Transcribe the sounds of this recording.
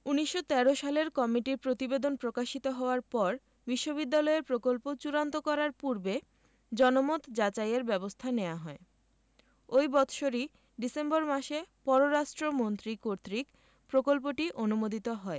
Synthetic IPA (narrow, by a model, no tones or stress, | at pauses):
uniʃːot̪ɛɾoʃaleɾkɔmiʈiɾpɾot̪ibed̪onpɾokaʃit̪oɦɔoaɾpɔɾ | biʃːobid̪ːalɔeɾpɾokolpot͡ɕuɾant̪okɔɾaɾpuɾbe | d͡ʑɔnomot̪d͡ʑat͡ɕajeɾbɛbost̪ʰaneaɦɔe | ojbɔt̪ʰʃoɾi | ɖisemboɾmaʃepɔɾoɾaʃʈɾomont̪ɾikoɾt̪ɾik | pɾokolp̬oʈiʔonumod̪ʱit̪oɦɔe